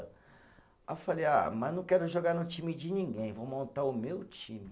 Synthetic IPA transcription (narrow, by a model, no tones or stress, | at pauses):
afaleja̰mɐznɐ̃w̃kɛɾʊʒoɡaɾnʊt͡ʃĩmɪd͡ʒɪnĩɡẽj̃vowmõnt̪aɾʊmewt͡ʃĩmɪ